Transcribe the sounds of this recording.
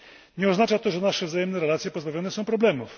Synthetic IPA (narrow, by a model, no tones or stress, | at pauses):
ɲɛɔznat͡ʂat̪ɔʐɛnaʂɛvzajɛmnɛɾɛlat̪sʲjɛpɔzbavʲjɔnɛsɔ̃w̃pɾɔblɛmuf